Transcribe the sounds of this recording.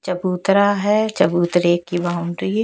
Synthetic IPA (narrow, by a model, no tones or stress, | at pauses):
t͡ʃɐbuːt̪ɾaɦɛt͡ʃɐbuːt̪ɾeːkːibaːʊ̃ɳʈi